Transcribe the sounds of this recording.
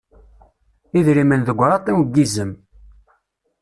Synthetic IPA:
iðɾimənðəɡʷːɾˤɑt̪ˤːiwɡːizəm

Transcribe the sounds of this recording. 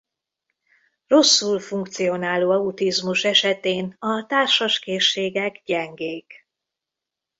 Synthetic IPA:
ro̞sːulfuŋk̚t̪sijo̞naːloːɛut̪izmuʃɛʃɛt̪eːnɒt̪aːrʃɒʃkeːʃːeːɡɛɡɟɛŋɡeːk

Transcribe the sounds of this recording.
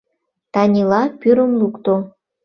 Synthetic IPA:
t̪ɑnʲilɑpyɾəmlukt̪o

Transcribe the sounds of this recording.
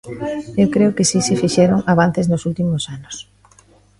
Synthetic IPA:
ewkɾeʊkɪsisɪfiʃɛɾoŋaβ̞an̟θeznosult̪imʊsanʊs

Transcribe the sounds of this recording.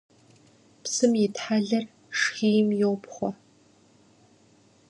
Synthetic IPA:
psɨmjɪtħaɮɐr | ʂxiːjmjɪwpχʷɔ

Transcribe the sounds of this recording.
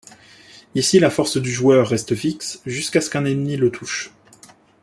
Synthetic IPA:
isilafɔʁsd̪yʒuœʁːɛst̪əfiksʒyskaskɛ̃nɛnmilət̪ʰuʃ

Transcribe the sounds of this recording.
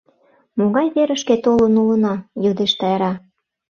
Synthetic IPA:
moɣɑjβeɾə̆ʃket̪olənulənɑjod̪eʃt̪ɑjɑɾɑ

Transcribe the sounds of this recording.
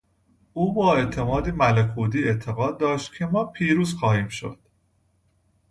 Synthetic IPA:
ʔuːbɒːe̞t̪ʰe̞mɒːd̪imælekʰuːd̪iːet̪ʰe̞ɣɒːd̪ːɒːʃt̪̚cʰe̞mɒːpʰiːɾuːzxɒːhiːmʃo̞̰d̪̥

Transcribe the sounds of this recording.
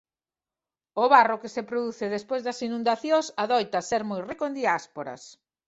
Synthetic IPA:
ʊβarokesepɾoðuθeðespojzðɐsinũnd̪aθjõsaðɔjt̪ɐseɾmojrekoend̪iaspoɾɐ̰s

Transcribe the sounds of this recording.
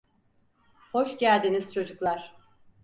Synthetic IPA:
ho̞ʃɟælʲd̪iniz̥t͡ʃʰo̞d͡ʒuklˠaɾ̥

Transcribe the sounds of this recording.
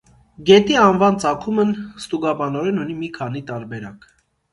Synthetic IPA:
ɡɛt̪iɑnvɑnt͡sɑkʰumənst̪uɡɑbɑnɔɾɛnunimikʰɑnit̪ɑɾbɛɾɑ̰k

